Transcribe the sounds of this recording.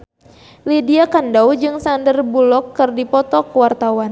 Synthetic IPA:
lidiakandaud͡ʒɨŋsandərbulɔkːɨrdipɔt̪ɔkəwart̪awan

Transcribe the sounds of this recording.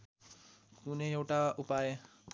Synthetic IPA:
kuneewʈaupaje

